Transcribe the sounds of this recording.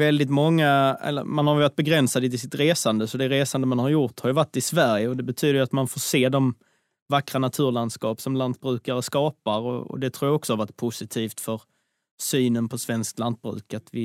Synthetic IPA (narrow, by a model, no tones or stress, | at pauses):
vɛld̪ɪt̪mɔŋːaɛ̰lːə̰manhaɾjʏvaʈ̪̚bɛɡɾɛnsad̪ət̪ɪsɪt̪ɾeːsand̪əsɔd̪ɛɾeːsand̪əmanhaɾjʊɾt̪haɾjʉvaʈːɪsvæɾjəɔd̪ɛbɛt̪ʰyːd̪əjʏat̪manfoːseːd̪ɔm | vakɾanat̪ʰʉ̟ːɾland̪skɑːpsɔmlant̪̚bɾʉ̟ːkaɾəskɑːpaɾɔ̰ɔ̰d̪ɛt̪ʰɾuːɾjaɔksɔaɾvaʈ̚ːpʰʊsɪt̪ʰiːft̪fœɾ | syːnənpʰɔsvɛnskt̪lant̪̚bɾʉ̟̰ːkat̪vɪ